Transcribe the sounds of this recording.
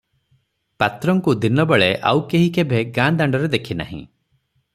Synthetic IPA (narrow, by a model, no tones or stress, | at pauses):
pat̪ɾɔŋkud̪inɔbeɭeʔa̰wkeɦikebʱeɡãnd̪aɳɖɔɾed̪ekʰina̰ɦḭ̃